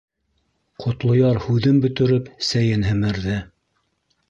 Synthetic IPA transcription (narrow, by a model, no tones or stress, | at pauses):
qʰŏt̪lˠŏjɑɾhʉðɘnbɵ̆t̪ɘ̆ɾɵpsæjɘnɦɘ̆mɘ̆ɾðɘ